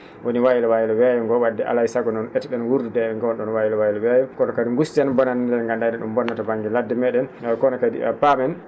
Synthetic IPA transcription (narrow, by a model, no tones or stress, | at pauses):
woniwajilawajilɛwɛjɔŋɡɔwadːɛʔa̰laisaɡɔnɔnʔɛtɛɗɛnwuɾdudɛɛŋɡɔnɗɔnwajilawajlɛwɛjɛkɔnɔkadiŋɡustɛnbɔnandɛnŋɡandaɗɛɗumbɔnːatabaŋɡiladːɛmɛɗɛnkɔnɔkadḭpamɛn